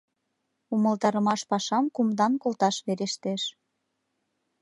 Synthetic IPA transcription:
uməlt̪ɑɾə̆mɑʃpɑʃɑmkumd̪ɑnkolt̪ɑʃβeɾeʃt̪eʃ

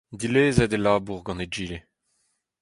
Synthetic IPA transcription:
d̪ileːzɛd̪elaːbuʁɡɑ̃ned͡ʒiːle

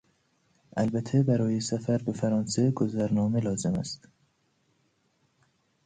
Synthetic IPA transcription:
ʔælbæt̪ʰːebæɾɒːjesæfæɾbe̞fæɾɒːnse̞ɡozæɾnɒːmelɒːze̞mæ̰st̪

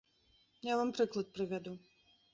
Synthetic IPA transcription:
javampɾɨklˠɐt̪̚pɾɨvʲad̪u

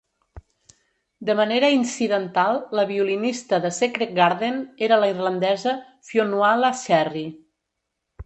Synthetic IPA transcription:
d̪əməneɾəinsiðənt̪alˠːəβiulinist̪əðəsekɾeɡaɾðeneɾələirlənd̪ɛzə | fionualəʃɛri

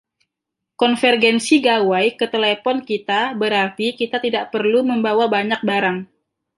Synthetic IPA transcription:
kɔnfɛrɡɛnsiɡawajkət̪elepɔnkit̪abəɾart̪ikit̪at̪idaʔpərluməmbawabaɲak̚baɾaŋ

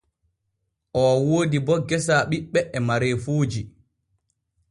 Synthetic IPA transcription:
ʔɔwoːdibɔɡɛsaːɓiɓːɛʔɛmaɾefuːd͡ʒi

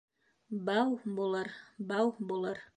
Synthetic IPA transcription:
bɑwbulˠɤɾbɑwbulˠɤɾ

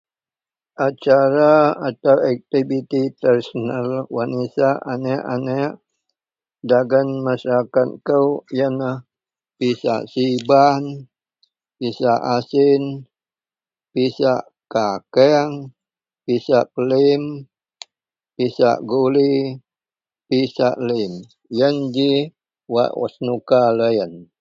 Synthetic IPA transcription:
ʔat͡ʃaɾaat̪awak̚t̪ibit̪it̪ɛrsənalwanisaanɛʔanɛʔ | daɡanmasaɾakat̪̚kəwjanah | pisa̰ʔsiban | pisaʔasɪn | pisaʔ | kakɛŋ | pisaʔpəlim | pisa̰ʔɡuli | pisaʔlim | jənd͡ʒi | wa̰ʔa̰snukaləjən

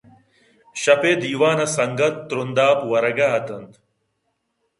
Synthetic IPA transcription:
ɕɐpeːd̪iːʋaːnɐsɐŋɡɐt̪ːɾund̪aːpwɐɾɐɡaːɦɐt̪ɐnt̪

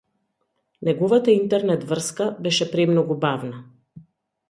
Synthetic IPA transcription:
nɛɡɔvat̪aint̪ɛɾnɛt̪vr̩skabɛʃɛpɾɛmnɔɡubavna

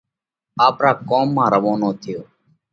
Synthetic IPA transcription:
aːpɾaːkoːmːãːɾəʋoːnoːt̪ʰɪjoː

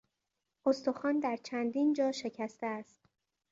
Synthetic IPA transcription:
ost̪oxɒːnd̪æɾt͡ʃʰænd̪iːnd͡ʒɒːʃe̞cʰæst̪eæst̪̚

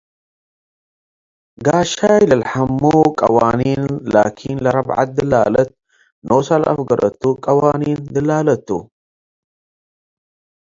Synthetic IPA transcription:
ɡaːʃajlɐlħamːukʼɐwaːninlaːkʰinlɐɾɐbʕa̰t̪̚d̪ɨla̰ːlɐt̪̚ | noːsalʔɐ̰fɡɐɾʔɐ̰t̪ːukʼɐwaːnind̪ɨlaːlɐt̪ːṵ

